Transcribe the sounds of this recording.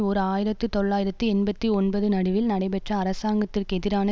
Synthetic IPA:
ɔɾɯaːjɪɾɐt̪ːɯt̪ɔɭːaːjɪɾɐt̪ːɯɛnbɐt̪ːiɔɳbɐðɯnɐɽɯʋɪlnɐɽɐɪpɛʈrɐːɾɐsaːŋɡɐt̪ːɪrkɛðɪɾaːnɐ

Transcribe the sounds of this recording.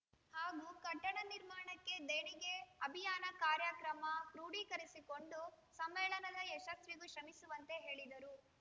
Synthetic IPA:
haːɡuːkɐʈːɐɳɐniɾmaːɳɐkːe̞d̪eːɳiɡe̞ɐbʱijaːnɐkaːɾjɐkɾɐmɐpɾuːɽikɐɾisiko̞ɳɖu | sɐmʋɛːɭɐnɐd̪ɐɛʃɐsʋiɡuʃɾɐmisuʋɐnt̪e̞ɦeːɭid̪ɐɾu

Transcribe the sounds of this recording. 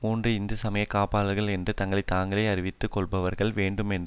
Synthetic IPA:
muːndrɯɪnd̪ɯsɐmɐjɐkːaːpaːlɐɾɣɐɭɛndrɯt̪ɐŋɡɐɭɐɪt̪aːŋɡɐɭɐɪɐɾɪʋɪt̪ːɯkːɔɭbɐʋɐɾɣɐɭʋeːɳɖɯmɛnd

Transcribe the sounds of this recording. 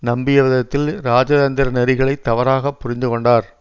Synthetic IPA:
nɐmbɪjɐʋɐðɐt̪ːɪlɾaːd͡ʒɐðɐnd̪ɪɾɐnɛɾɪɣɐɭɐɪt̪ːɐʋɐɾaːɣɐpːʊɾɪnd̪ɯkɔɳɖaːɾ

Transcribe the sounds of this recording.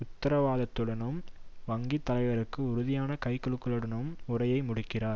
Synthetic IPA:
ʊt̪ːɐɾɐʋaːðɐt̪ːɯɽɐnɯmʋɐŋɡit̪ːɐlɐɪʋɐɾɯkːɯʊɾʊðɪjaːnɐkɐɪkɔɭɯkːɯɭɯɽɐnɯmʊrɐjɐɪmʊɽɯkːɪraːɾ

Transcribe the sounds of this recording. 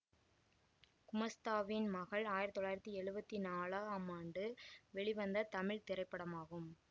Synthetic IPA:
kʊmɐst̪aːʋɪnmɐɣɐɭaːjɪɾɐt̪ːɔɭːaːjɪɾɐt̪ːiɛɻɯbɐt̪ːinaːɭaːɐmaːɳɖɯʋɛɭiʋɐnd̪ɐt̪ɐmɪɭt̪ɪɾɐɪpːɐɽɐmaːɣɯm

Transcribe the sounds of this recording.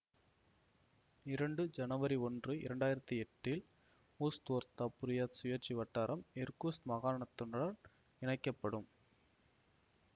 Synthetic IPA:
ɪɾɐɳɖɯd͡ʒɐnɐʋɐɾiɔndrɯɪ̰ɾɐɳɖaːjɪɾɐt̪ːiɛʈːɪl | uːst̪oːɾt̪ɐpːʊɾɪjaːt̪sʊjɐɾt͡ʃːiʋɐʈːaːɾʔɐmɛɾkuːsmɐɣaːɾɐɳɐt̪ːɔɳɐɽɐn | ɪɳɐɪkːɐpːɐɽɯm

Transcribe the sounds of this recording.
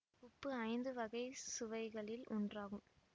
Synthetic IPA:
ʊpːɯɐɪnd̪ɯʋɐɣɐɪsʊʋɐɪɣɐɭɪlɔ̰ndraːɣɯm

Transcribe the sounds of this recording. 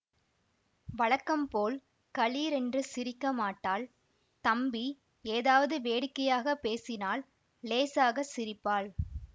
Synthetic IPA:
ʋɐɻɐkːɐmpoːl | kɐɭiːɾɛndrɯsɪɾɪkːɐmaːʈːaːl | t̪ɐmbi | eːðaːʋɐðɯʋeːɽɪkːɐjaːɣɐpeːsɪnaːlː | eːsaːɣɐsɪɾɪpːaːɭ

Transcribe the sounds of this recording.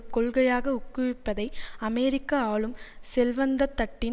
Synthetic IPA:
kɔɭɣɐjaːɣɐʊkːɯʋɪpːɐðɐɪɐmɛːɾɪkːɐaːɭɯmsɛlʋɐnd̪ɐt̪ːɐʈːɪn

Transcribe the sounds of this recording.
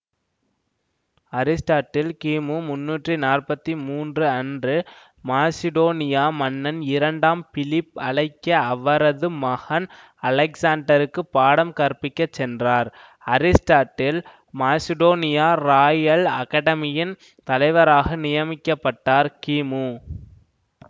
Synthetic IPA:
ɐɾɪsʈaːʈːɪlkiːmumʊnːuːʈrinaːrpɐt̪ːimuːndrɯɐndrɯ | maːsɪðoːnɪjaːmɐnːɐnɪɾɐɳɖaːmfɪlɪpːɐɭɐɪkːɐːʋːɐɾɐðɯmɐhɐn | ɐlɐksaːɳɖɐɾɯkːɯpːaːɽɐmkɐɾpɪkːɐt͡ʃːɛndraːɾ | ɐɾɪsʈaːʈːɪl | maːsɪɽoːnɪjaːɾaːjɐlɐ̰kɐɽɐmɪjɪn | t̪ɐlɐɪʋɐɾaːɣɐnɪjɐmɪkːɐpːɐʈːaːɾkiːmu

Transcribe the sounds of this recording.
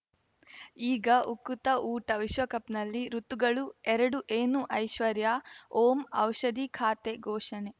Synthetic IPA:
iːɡɐʔukːut̪ɐʔuːʈɐʋiʃʋɐkɐpnɐlːiɾut̪ːuɡɐɭuɛɾɐɽuʔeːnuʔɐjʃʋɐɾjaːoːmɐ̰wʃɐd̪ikʰaːt̪eɡɔːʂɐne

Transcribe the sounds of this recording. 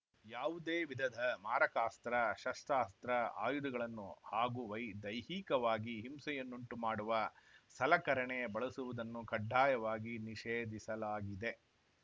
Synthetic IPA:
jaːʋud̪eːʋid̪ʱɐd̪ʱɐmaːɾɐkaːst̪ɾɐʃɐsʈaːst̪ɾɐa̰ːjud̪uɡɐɭɐnːuhaːɡuʋɐjd̪ɐjhiːkɐʋaːɡiɦimsɐjɐnːuɳʈumaːɽuʋɐsɐlɐkɐɾɐɳebɐɭɐsuʋud̪ɐnːukɐɖʱːaːjɐʋaːɡiniʃeːd̪ʱisɐlaːɡid̪e̞

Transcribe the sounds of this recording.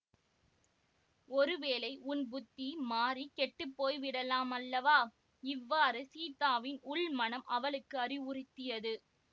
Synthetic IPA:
ɔɾɯʋeːlɐɪʔʊnbʊt̪ːimaːrikɛʈːɯpːoːjʋɪɽɐlaːmɐlːɐʋaː | ɪʋːaːɾɯsiːt̪aːʋɪnʊɭmɐnɐmʔɐʋɐlɯkːɯɐrɪʋʊrɪt̪ːɪjɐðɯ

